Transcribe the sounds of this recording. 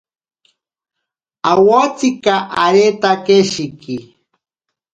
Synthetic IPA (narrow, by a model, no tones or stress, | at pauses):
awot͡sikaʔaɾet̪akeʃiki